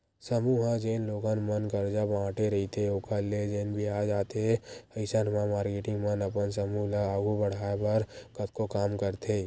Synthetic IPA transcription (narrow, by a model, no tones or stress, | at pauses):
səmuːɦãd͡ʒeːnloːɡanmənkəɾd͡ʒabãːʈeɾɐɦit̪ʰeoːkʰaled͡ʒeːnbʱiaːd͡ʒaːt̪eəɪsaːnmãmaːɾkeʈɪ̃ŋɡmənəpəns̬əmulaaːɡubəɽ̤aːebəɾkət̪̚kokaːmkəɾt̪ʰeː